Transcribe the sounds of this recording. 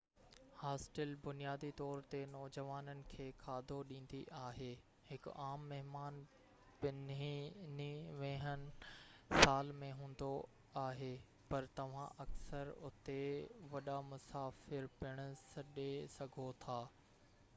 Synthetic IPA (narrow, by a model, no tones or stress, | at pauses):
haːsʈəlbʊnijaːd̪it̪ɔːɾt̪enɔːd͡ʑəʋaːnənɪ̆kʰeːkʰaːd̪ʱoɗĩːn̆d̪iʔaːɦeː | hɪkʊ̰aːmːɐɦɪmaːn | pɪniniʋẽɦənɪ̆saːlmẽɦũːn̆d̪o | aːɦe | pɐɾt̪ɐʋ̤ã̰ʔɐksəɾʊt̪eʋɐɗamʊsaːfɪɾpɪɽ̃ʊsɐɗesɐɡʱot̪ʰaː